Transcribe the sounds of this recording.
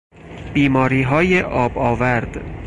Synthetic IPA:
b̥iːmɒːɾiːɦɒːjeʔɒːbɒːvæɾd̪̥

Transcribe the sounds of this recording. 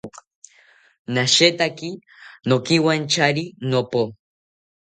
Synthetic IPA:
naʃet̪aki | nokiwant͡ʃaɾinopo

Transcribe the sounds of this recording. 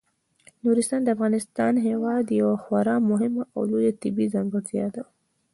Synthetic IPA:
nuɾɪst̪ɑːnd̪əafɣɑnɪst̪ɑnɦewɑd̪jawaxwaɾɑmʊɦɪmaa̰wlojat̪ɪbizaŋɡəzjɑd̪a

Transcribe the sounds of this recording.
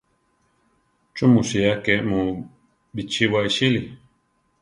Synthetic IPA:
t͡ʃumusiakemu | bit͡ʃiwaiʃili

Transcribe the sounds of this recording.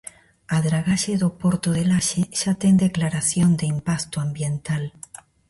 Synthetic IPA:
aðɾaɣaʃeðopoɾt̪oðelaʃeʃat̪end̪e̞klaɾaθjond̪eimpast̪oambje̞nt̪al

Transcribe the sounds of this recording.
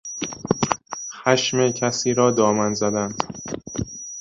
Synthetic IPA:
xæʃmecʲʰæsiːɾɒːd̪ɒːmænzæd̪ænd̪̥

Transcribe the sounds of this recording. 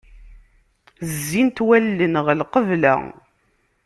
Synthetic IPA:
zːint̪wælːənʁlqəvlæ̰

